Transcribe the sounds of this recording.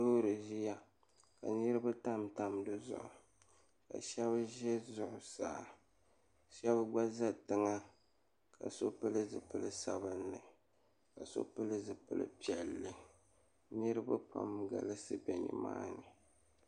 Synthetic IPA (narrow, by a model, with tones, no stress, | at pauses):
soː˦ɾɨ˨ʒi˦ja˦ | ka˨nɨ˦ɾɨ˦ba˦ta˦mta˦mdɨ˦zʊ̰˨ʔʊ˨ | ka̰˨ʃɛ˦βʒɛ˦zʊ˨ʔʊ˨saː˨ | ʃɛ˦bɡ͡ba˦za˦tɨ˦ŋa˦ | kʰa˨so˦pɨ˦lɨ˦zɨ˨pɨ˦lɨ˦sa˨bɨ˦nːɨ˨ | ka˨so̰˦pɨ˦lɨ˦zɨ˨pɨ˦lɨ̰˦pi˨ɛ˨lːɨ˨ | nɨ˦ɾɨ˦ba˦pa̰˦mɡa̰˨lɨ˦sɨ˦bɛ˨nɨ̰˨ma̰ː˦nɨ˨